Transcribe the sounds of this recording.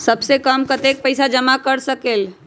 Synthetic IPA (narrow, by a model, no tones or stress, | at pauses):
səbsekəmkət̪ek̚pəɪsad͡ʒəmakəɾsəkel